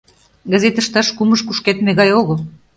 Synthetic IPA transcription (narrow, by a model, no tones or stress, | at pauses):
ɡə̆zet̪əʃt̪ɑʃkuməʃkuʃket̪meɣɑjoɣo